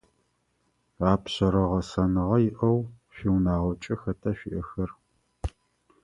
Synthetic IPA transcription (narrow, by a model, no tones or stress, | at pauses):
aːpɕɐɾɐʁɐsɐnɨʁɐjɪʔɐw | ɕʷiwnaːʁɐt͡ʃʼɪxɐtʰɐɕʷḭʔɐxɐr